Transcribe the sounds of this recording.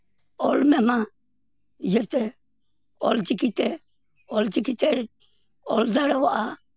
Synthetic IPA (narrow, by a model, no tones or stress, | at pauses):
ɔlmɛmã | jəɾt̪ɛ | ɔ̰ld͡ʒikit̪ɛ | ɔld͡ʒikit̪ɛɾ | ɔlzaɽawaʔa